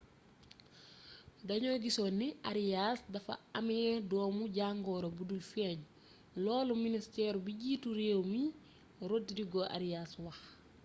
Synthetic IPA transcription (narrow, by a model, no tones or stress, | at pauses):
dɐɲɔːɡisoːnːiʔaɾjaːsdɐfɐ̰ɐmiɛdɔːmuɟaŋɡɔːɾobudulfɛːɲ | lɔːluministɛːɾubiɟiːtuɾewmi | ɾotːidiɡɔʔa̰ɾijaːswɐx